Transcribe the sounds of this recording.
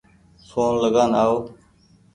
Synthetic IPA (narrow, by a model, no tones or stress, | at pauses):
soːnləɡaːnaːoː